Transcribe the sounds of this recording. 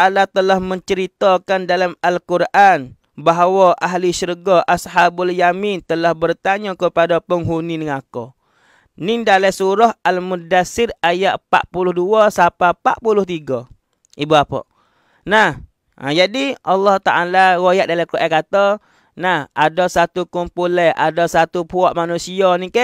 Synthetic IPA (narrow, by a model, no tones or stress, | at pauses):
ʔalat̪əlahməɲt͡ʃəɾit̪ɔkandalamalkurʔan | baɦawaʔaɦliʃurɡaʔasɦabaljamint̪əlahbərt̪aɲɔkəpadapəŋɦuninəŋakɔ̰ | nɪndalajsuɾɔhalmudasɪrajaʔpa̰ʔpulʊhduɔsapapa̰ʔpulʊht̪iɡɔ | ibuapɔ̰ʔ | nah | a̰d͡ʒadiʔɑlːɔht̪aʔalawojaʔ̚dalakuʔɛkat̪ɔ | nahadɔsat̪ukumpulɛʔa̰dɔsat̪upuɔʔmanusiɔnikɛʔ